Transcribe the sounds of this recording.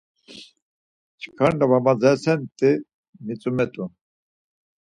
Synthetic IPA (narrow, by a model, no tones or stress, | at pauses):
t͡ʃʰkʰaɳɖavamad͡zɛsɛnt̪ʼi | mit͡sʼumɛt̪ʼu